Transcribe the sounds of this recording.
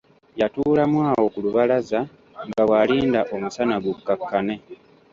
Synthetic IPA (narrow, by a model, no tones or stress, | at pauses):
jatuːlamwaːwo̞kuluβalaza | ŋɡawaliːndaʔo̞musanaɡukːakːane̞